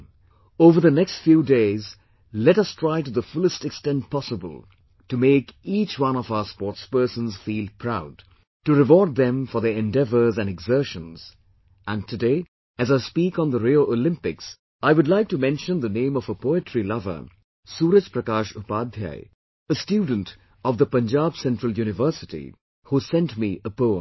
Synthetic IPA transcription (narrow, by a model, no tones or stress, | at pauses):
oːvə˞ðənɛkstfjuːdeɪz | lɛɾʌstʰɹaɪtuðəfʊləstɨkstɛ̃nt̚pʰɑsəbəlˠ | tumeɪkit͡ʃwʌ̃nɔvaʊə˞spɔːtspɜ˞sə̃nz̥fiːlˠpʰɹaʊd | tuɾɨwɔɹd̪̚ðɛ̃ɱfɔ˞ðəɛ̃ndɛvə˞zæ̃nɨɡzɜ˞ʃə̃nz̥ | ʔæ̃ntʰɨdeɪ | æzaɪspikɔ̃nðəɾioʔolɪ̃mpɪks | aɪwʊdˡlaɪk̚tumɛ̃nʃə̃nd̪ənẽɪ̃mɔvəpoʊɪtɹilʌvə̰˞ | suːɾəd͡ʒpɾəkaːʃupaːd̪ʱja̰ɪ | əstjuːdⁿn̩t | ɔvðəpə̃nd͡ʒabsɛ̃ntɹ̥əlˠjuːnɪvə˞sɪtḭ | husɛ̃ntmiʔəpoʊə̰̃m